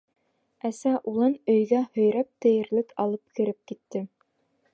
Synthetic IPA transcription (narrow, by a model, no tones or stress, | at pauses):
æsæʔulˠɤnɵ̆jɡæhɵ̆jɾæp̚t̪ɘ̆jɘ̆ɾlɘkɑlˠɤp̚kɘ̆ɾɘp̚kit̪ːɘ